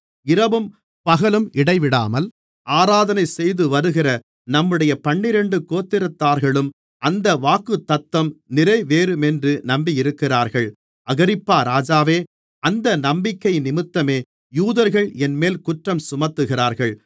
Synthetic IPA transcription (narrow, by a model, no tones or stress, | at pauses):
ɪɾɐʋɯm | pɐɣɐlɯmʔɪɽɐɪʋɪɽaːmɐl | ʔaːɾaːðɐnɐɪsɛjðɯʋɐɾɯɣɪrɐ | nɐmːɯɽɐjɐpɐɳːɪɾɛɳɖɯkoːt̪ːɪɾɐt̪ːaːɾɣɐɭɯm | ʔɐnd̪ɐʋaːkɯt̪ːɐt̪ːɐmnɪɾɐɪʋeːɾɯmɛndrɯnɐmbijɪɾɯkːɪraːɾɣɐɭ | ʔɐɣɐɾɪpːaːɾaːd͡ʒaːʋeː | ʔɐnd̪ɐnɐmbɪkːɐɪnɪmɪt̪ːɐmeː | juːðɐɾɣɐɭɛnmeːlkʊʈrɐmsʊmɐt̪ːɯɣɪraːɾɣɐɭ